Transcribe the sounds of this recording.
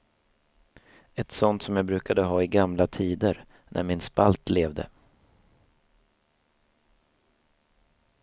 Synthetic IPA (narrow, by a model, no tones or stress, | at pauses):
ɛt̪sɔnt̪sɔmjaːɡbɾʉ̟ːkad̪əɦɑːɪɡamlat̪ʰiːd̪əɾ | nʔæ̰ɾmɪnspalt̪leːvd̪ə̰